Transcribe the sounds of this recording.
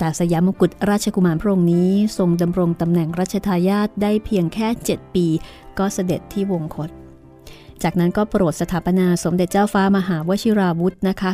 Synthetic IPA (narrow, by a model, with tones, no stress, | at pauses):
t̪aː˨˩sa˧jaː˩˦mu˧ku˨˩t̪̚ɾaː˥˩t̪̚t͡ɕʰa˧ku˧maː˧npʰɾa˥ʔo˧ŋniː˦˥so˧ŋda˧mɾo˧ŋt̪a˧mnɛ˨˩ŋɾaː˥˩t̪̚t͡ɕʰa˧t̪ʰaː˧jaː˥˩t̪̚daː˥˩jpʰi˧əŋkʰɛː˥˩t͡ɕe˨˩t̪̚piː˧ | kɔː˥˩sa˧de˨˩t̪ʰːiː˥˩wo˧ŋkʰo˦˥t̪̚ | t͡ɕaː˨˩k̚na˦˥nkɔː˥˩pɾoː˨˩t̪̚sa˧t̪ʰaː˩˦pa˧naː˧so˩˦mde˨˩t̪̚t͡ɕaː˥˩wfaː˦˥ma˧ɦaː˩˦wa˦˥t͡ɕʰi˦˥ɾaː˧wu˦˥t̪̚na˦˥kʰa˦˥